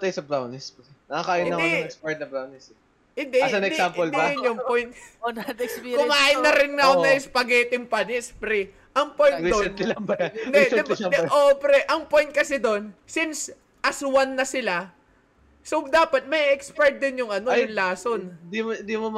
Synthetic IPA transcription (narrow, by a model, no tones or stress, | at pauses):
ɐt̪ajsɐbɾawnɪsnɐakaːjɐnːɐd̪ɛɐɛkspɛɹt̪̚nɐbɾawnɪsɛ | ɪnd̪ɛsɐnɛksamold̪ɐɪnjʊŋpojnt̪̚nɐd̪kspːkʊmɐaːjɪnːɐɾɪnŋɐonɐʔɪspɐɡɛːt̪ɪŋpɐnɪspɾɛ | ʔɐŋpoj̪id̪oɛnlɐbaɪd̪ɛsʔopɾɛʔɐŋpo̞jnt̪̚kɐsɛd̪o̞nsɪns | ʔɐswɐnːɐsɪla | sod̪aːpɐt̪̚mɐʔiʔɛkspɛɹt̪̚d̪ɪnjʊŋɐnojʊŋlaːsond̪iɪnd̪imom